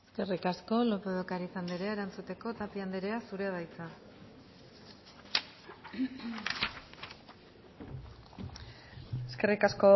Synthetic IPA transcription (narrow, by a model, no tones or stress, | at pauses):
eske̞rikasko̞lo̞peðokaɾisand̪eɾeaeɾant͡sut̪e̞ko̞t̪apiand̪eɾe̞asuɾe̞aðajt͡sa | eske̞rikasko